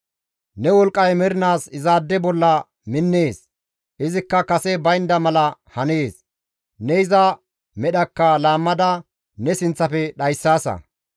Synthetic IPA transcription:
nɛwɔlkʼːɐjmɛɾɪnaːsɪzaːd̪ːɛbɔlːɐ | mɪnːeːs | ʔɪzɪkːɐkɐsɛbɐjɪnd̪ɐmɐlɐhɐneːs | nɛɪzɐ | mɛɗɐkːɐlaːmːɐd̪ɐ | nɛsɪnt͡sːɐfɛɗɐjsːaːsɐ̰

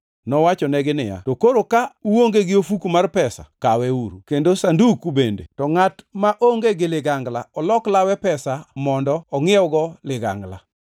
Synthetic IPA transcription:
nɔwat͡ʃɔnɛɡɪnɪ̰ja̰tokoɾokauoŋɡeɡɪofukumarpɛsa̰kawɛuɾukendosandukubendḛtɔŋatmaʔoŋɡeɡɪlɪɡaŋɡlaɔlɔklawɛpɛsamɔndɔɔŋɪɔɡɔlɪɡa̰ŋɡla̰

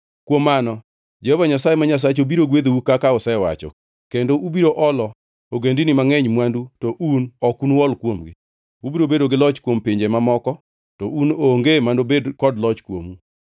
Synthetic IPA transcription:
kwomːanɔ | d͡ʒɛhɔvaɲasajemaɲas̬at͡ʃobiɾoɡwed̪owukakaɔsaewa̰t͡ʃɔ̰ | kendoʔubiɾoʔɔlɔ | oɡendinɪmaŋɛɲmwandutɔʔunɔkunwɔlkwomɡɪ̰ | ubiɾobedoɡɪlɔt͡ʃkwompɪɲd͡ʒemamɔkɔ | tɔʔunoŋɡemandobedkɔdlɔt͡ʃkwo̰mu

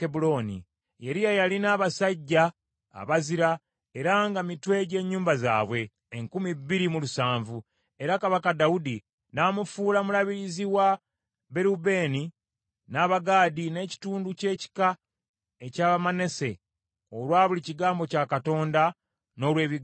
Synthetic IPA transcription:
ebulo̞nḭ | je̞ɾijajalinaːβasaɟːa̰ː | βaziɾa | e̞ɾaŋɡamitwe̞ɟe̞ːɲːuːmbaza̰ːβweː | ŋkumibːiɾimulusaːɱvu | e̞ɾakaβakadaudi | naːmufuːlamulaβiɾiziwa | be̞ɾube̞ni | naːβaɡaːdine̞ːci̥tuːnduce̞ːci̥ka | ecaːβamane̞se̞ | olwaːβuliciɡaːmbo̞caːkato̞ːnda | no̞ːlwe̞ːβi

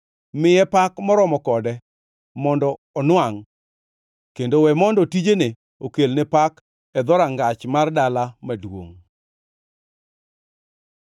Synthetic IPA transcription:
mɪjɛpakmɔɾɔmɔkɔdɛ | mɔndɔːnwaŋ | kendowɛmɔndɔtid͡ʒene | okelnɛpak | ɛd̪ɔɾaŋɡat͡ʃmardalamadwo̰ŋ

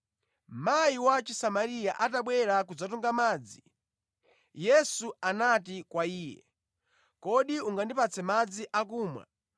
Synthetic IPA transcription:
majiwat͡ʃisamaɾijaʔataɓwɛɾakud͡zatuŋɡamaːd͡zi | jɛsuanat̬ikwaiːjɛ̰ | kɔɗiuŋɡandipat͡sʰɛmad͡ziʔak̬uːmwa̰

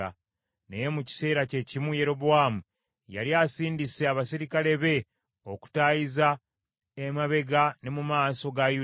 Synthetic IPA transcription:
a̰ | neje̞muci̥se̞ːɾace̞cimuje̞ɾo̞boaːmu | ja̰ljasiːndiseaβasiɾikale̞βe̞ | o̞ku̥tajiza | emaβe̞ɡane̞mumaːso̞ɡaju

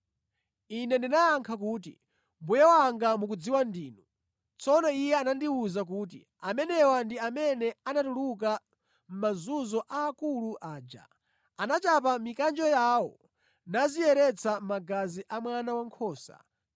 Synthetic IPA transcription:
inɛndinajaŋkʰak̬uːt̬ḭ | mbujɛwaŋɡamuk̬ud͡ziwandiːnu | t͡sɔnɔijɛanandiuzak̬uːt̬ḭ | amɛnɛwandiamɛnɛanatuluk̬a | m̩mazuzɔʔaːkuluʔaːd͡ʒa̰ | anat͡ʃapamikand͡ʒɔjawɔ | nazijɛɾɛt͡sʰamaɡaziʔamwanawaŋkʰɔːsa̰

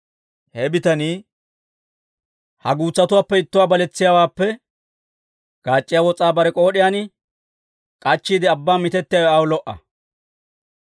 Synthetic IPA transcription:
hɛbɪt̪ɐniː | hɐɡuːt͡sːɐt̪ʊwaːpːɛɪt̪ːʊwaːbɐlɛt͡sːɪjaːwaːpːɛ | ɡ̥aːt͡ʃʼːɪjaːwɔt͡sʼaːbɐɾɛkʼo̞ːɗɪjaːnɪ | kʼɐt͡ʃːiːd̪ɪɐbːaːmɪt̪ɛt̪ːɪjawɛɐwʊlɔʔɐ̰

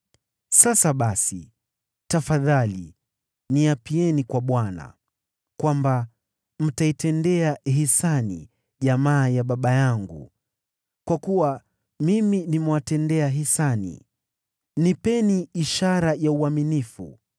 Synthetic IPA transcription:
sasaɓasi | tafaðali | niapiɛnikwaɓwana̰ | kwamba | m̩taitɛndɛaɦisanḭ | ʄamaːjaɓaɓajaŋɡṵ | kwakuwa | miminimɛwatɛndɛaɦisanḭ | nipɛniiʃaɾajauaminifṵ

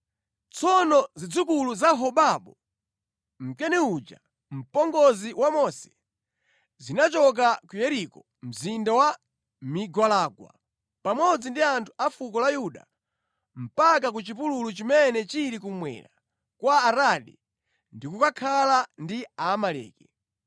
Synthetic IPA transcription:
t͡sʰɔnɔzid͡zukuluzaɦɔɓaɓɔ | m̩kɛnɛud͡ʒa̰ | m̩pɔŋɡɔziwamɔsɛ̥ | zinat͡ʃɔk̬akujɛɾikɔ | m̩zindawa | miɡwalaɡwa̰ | pamɔd͡zindiantʰu̥afukɔlajuɗa̰ | m̩pak̬ak̬ut͡ʃipululut͡ʃimɛnɛt͡ʃiɾikumwɛ̰ɾa | kwaːɾaɗḭ | ndikukakʰalandiaːmalɛ̰ːkɛ

